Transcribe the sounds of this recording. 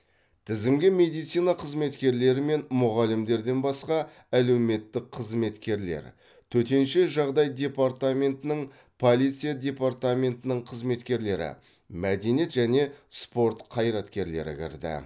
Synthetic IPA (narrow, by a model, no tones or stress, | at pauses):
t̪ʰɪzɪmɡʲɪme̞d̪ijt̪sijnɑqʰəzme̞t̪kʲe̞ɾle̞ɾɪme̞nmʊʁɑlɪmd̪e̞ɾd̪e̞nbɑsqɑ | æle̞wme̞t̪ːɪk̚qʰəzme̞t̪kʲe̞ɾle̞̰ɾ | t̪ʰɵt̪e̞nʃe̞ʒɑʁd̪ɑjd̪e̞part̪amʲe̞nt̪ɪnɪɴ | pʰo̞lˠijt̪sɨjad̪ʲe̞part̪amʲe̞nt̪ənɪɴqʰəzme̞t̪kʲe̞ɾle̞ɾɪ̰ | mæd̪e̞nije̞t̪ʒæne̞spo̞ɾt̪qʰɑjɾɑt̪kʲe̞ɾle̞̰ɾɪ̰kʲɪ̰ɾd̪ɪ̰